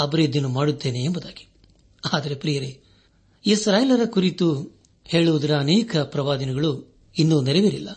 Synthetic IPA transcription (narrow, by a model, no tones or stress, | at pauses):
ɐbɾed̪inumaːɽut̪ːe̞ːne̞ːmbud̪aːɡi̥ | aːd̪ɐɾe̞pɾiːjɐɾe | isɾaːjlɐɾɐkuɾit̪u | he̞ːɭuʋud̪ɐɾɐːnɛːkɐpɾɐʋaːd̪ɐnɛɡɐɭu | inːunɛɾɛʋeɾilːɐ